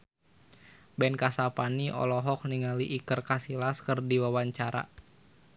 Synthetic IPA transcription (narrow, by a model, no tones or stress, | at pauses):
bɛnkasapaniʔɔ̰lɔɦɔk̚niŋaliʔikərkasilaskɨrdiwawaɲt͡ʃaɾa̰